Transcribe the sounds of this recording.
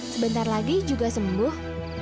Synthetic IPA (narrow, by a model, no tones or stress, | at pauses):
səbənt̪arlaɡid͡ʒuɡasəmbʊh